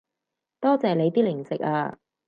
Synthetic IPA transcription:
t̪ɔː˥t͡sɛː˨le˨˧jt̪iː˥lɪ˨˩ŋt͡sɪ˨k̚a̰ː˧

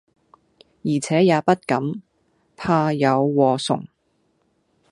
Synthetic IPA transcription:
jiː˨˩t͡sʰɛː˨˥jaː˨˧pɐ˥t̚kɐ˨˥m | pʰaː˧jɐ˨˧wːɔː˨˧sʊ̰˨˩ŋ

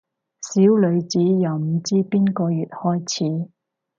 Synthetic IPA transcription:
siː˨˥wlɵ˨˧ɥt͡siː˨˥jɐ˨˩wm̩˨˧˩t͡siː˥piː˥nkɔː˧jyː˨t̚hɔː˥jt͡sʰiː˨˥

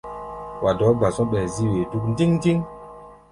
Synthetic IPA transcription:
wʔa˨dɔː˨˦ɡ͡ba˨sɔ̃˦ɓɛ˨zi˦we˨tu˦kndi˦ŋndi˦ŋ

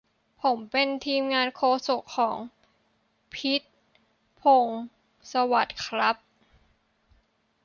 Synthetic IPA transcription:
pʰo˩˦mpe˧nt̪ʰiː˧mŋaː˧nkʰoː˧so˨˩kʰːɔː˩˦ŋ | pʰi˦˥t̪̚ | pʰo˧ŋ | sa˧wa˨˩t̪̚kʰɾa˦˥p̚

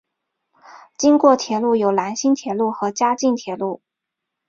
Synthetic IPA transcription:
t͡ɕi˥ŋkwɔ˥˩t̪ʰjɛ˧˥lu˥˩jo˨˩ʊla˧˥nɕi˥nt̪ʰjɛ˧˥lu˥˩xɤ˧˥t͡ɕja˥t͡ɕi˥˩nt̪ʰjɛ˧˥lu˥˩

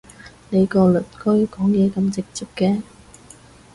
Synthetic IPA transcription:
ne˨˧jkɔː˧lɵ˨˩t̚kʰɵ˥ɥkɔː˨˥ŋjɛː˨˧kɐ˧mt͡sɪ˨k̚t͡siː˨p̚kɛː˧

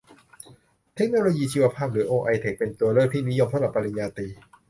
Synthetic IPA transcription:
t̪ʰe˦˥k̚noː˧loː˧jiː˧t͡ɕʰiː˧wa˧pʰaː˥˩p̚ɾɯː˩˦ʔoː˧ʔa˧jt̪ʰe˨˩k̚pe˧nt̪u˧ɐɾɤː˥˩k̚t̪ʰiː˥˩ni˦˥jo˧mt̪ʰla˨˩pɾa˧i˧njaː˧t̪iː˧

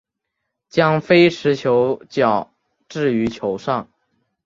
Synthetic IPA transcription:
t͡ɕjɑ˥ŋfe˥ɪʈ͡ʂʰɻ̩˧˥t͡ɕʰjo˧˥ʊt͡ɕjɑ˨˩ʊ | ʈ͡ʂɻ̩˥˩y˧˥t͡ɕʰjo˧˥ʊʂɑ˥˩ŋ

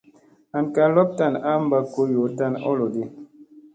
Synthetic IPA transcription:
a˨n˨ka˨lɔ˦p̚ta˦˨na˦m̩˦ba˦ko˦jo˨ta˦˨nɔ̰˦lɔ˨de˦

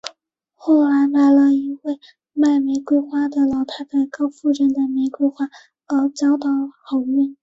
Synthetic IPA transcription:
xoɔ˥˩ʊla˧˥ma˧˥ɪlə˧i˧˥we˥˧ɪ | ma˥˩ɪme˧˥ɪkwe˥ɪxwa˥d̪ə˨lɑ˨˧˥ʊt̪ʰa˥ɪt͡sa˥˩ɪkɑ˥ʊfu˥˧ʈ͡ʂə˥˩nd̪ə˩me˧˥ɪkwe˥ɪxwa˥ | lɑ˧˥ʊt͡ɕjɑ˥ʊd̪ɑ˨˩ʊxo˨˧˥ʊmɛ˥˩n

